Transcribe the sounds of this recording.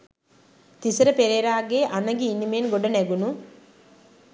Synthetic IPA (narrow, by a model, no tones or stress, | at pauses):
t̪isɐɾɐpeɾeɾaːɡeːʔɐnɐɡiːnimeːnɡoɖɐneɡunu